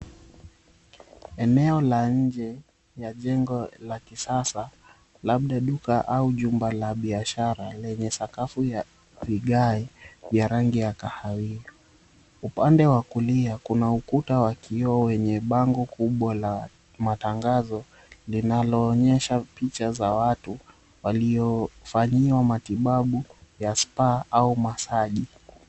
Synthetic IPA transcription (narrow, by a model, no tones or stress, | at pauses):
ɛnɛɔlaɲ̩d͡ʒɛ | jaʄɛŋɡɔlakisasa | laɓ̚ɗaɗukaʔauʄumbalaɓiaʃaɾalɛɲɛsakafuja | viɠaivjaɾaŋɡijakahawiɔ | upandɛwakuliakunaukutawakʰiɔwɛɲɛɓaŋɡɔkuɓwala | mataŋɡazɔ | linalɔːɲɛʃapit͡ʃazawatu | waliɔfaɲiwamatiɓaɓujaspaʔaumasaʄi